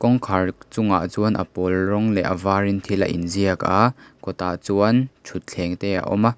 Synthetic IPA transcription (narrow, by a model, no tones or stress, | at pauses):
kɔŋkʰart͡sʊŋa̰ʔt͡suənʔɐ̰pɔlrɔŋlɛʔɐvaːrint̪ʰilɐ̰ʔḭnziəkakɔt̪aʔt͡suənt͡ʃʰut̪̚t͡ɬʰɛŋt̪ɛːa̰ʔɔ̰ma